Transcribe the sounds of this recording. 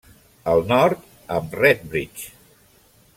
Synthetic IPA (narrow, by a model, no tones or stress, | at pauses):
əlˠnɔɾt̪ | əmrɛt̪̚bɾit͡ʃ